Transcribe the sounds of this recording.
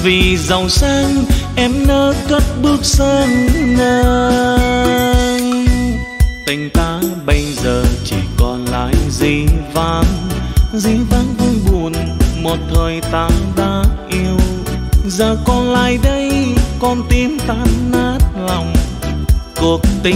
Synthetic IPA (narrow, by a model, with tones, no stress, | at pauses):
vi˨˩zə˨˩wsaː˧ŋʔɛ˧mnəː˨˦kə˦˥t̚ɓɨ˦˥ək̚səː˧ŋnəː˧ | t̪i˨˩ŋ̟t̪aː˨˦ɓə˧jzəː˨˩t͡ɕḭ˧˩kɔ˧˩nla̰ː˧˨jzi˨˩vaː˧˩nzi˧vaː˧˥nvu˧jɓu˨˩ənmo˨˩t̚t̪ʰəː˨˩jt̪aː˨˦ɗaː˧˥ʔi˧əwzəː˨˩kɔ˧nla̰ː˧˨jɗə˧jkɔ˧˩nt̪i˧mt̪aː˨˦nːaː˦˥t̚lɔ˨˩wŋ͡m | ku˨˩ək̚t̪i˨˧˦